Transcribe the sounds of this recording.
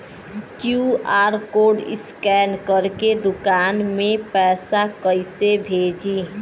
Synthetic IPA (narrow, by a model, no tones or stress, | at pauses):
kjuaːɾkoːɖɪ̰skɛːnkəɾked̪ʊkaːnmẽpɛːsakəɪsebʱeːd͡ʒiː